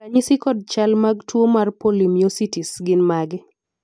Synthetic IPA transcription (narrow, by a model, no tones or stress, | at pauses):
kaɲisikɔd̚t͡ʃalmaɡtwomarpolimijositisɡɪnmaɡɪ